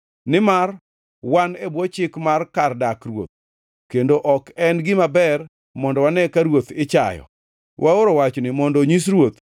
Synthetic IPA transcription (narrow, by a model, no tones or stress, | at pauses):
nɪmar | wanebwɔt͡ʃɪkmarkardakrwo̰t̪̚ | kendoʔɔkɛnɡɪmabɛr | mɔndɔwanɛkaɾwot̪ɪt͡ʃa̰jɔ̰ | wʔaoɾowat͡ʃnɪmɔndɔɲis̬ɾwot̪